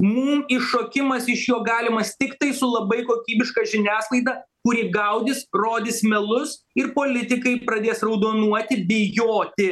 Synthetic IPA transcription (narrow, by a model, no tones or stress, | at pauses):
muːmɪʃoːkʲɪmɐsɪʃjoːɡɑːlʲɪmɐst̪ʲɪkt̪ɐɪsʊlˠɐbɐɪkoːkʲiːbʲɪʃkɑːʒʲɪnʲæːslˠɐɪd̪ɑ | kʊɾʲiːɡɐʊd̪ʲɪsroːd̪ʲɪsmʲɛlˠʊs | ɪrpoːlʲɪt̪ʲɪkɐɪpɾɐd̪ʲeːsrɐʊd̪oːnuɔt̪ʲɪbʲɪjoːt̪ʲɪ